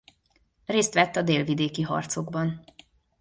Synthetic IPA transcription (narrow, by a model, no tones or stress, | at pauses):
reːst̪ʋɛt̪ːɒd̪eːlvid̪eːkiɦɒ̰rt̪so̞ɡbɒn